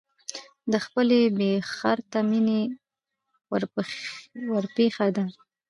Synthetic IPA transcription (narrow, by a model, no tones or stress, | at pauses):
d̪əxpəlebexaɾt̪amine | wɾ | wəɾpexad̪a